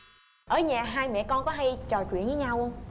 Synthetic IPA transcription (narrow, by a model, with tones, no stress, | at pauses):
ʔəː˧˩ɲaː˨˩ɦaː˧jmɛ̰˧˨kɔ˧nkɔ˨˦ɦa˧jt͡ɕɔ˨˩t͡ɕwḭ˧˨nvɨː˨˦ɲaː˧wə˧wŋ͡m